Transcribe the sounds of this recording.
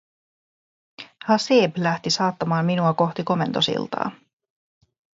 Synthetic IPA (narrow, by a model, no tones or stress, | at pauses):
hɑseːblæht̪isɑːt̪ːɑmɑːmːinuɑko̞xt̪iko̞me̞nt̪o̞sḭlt̪ɑ̰ː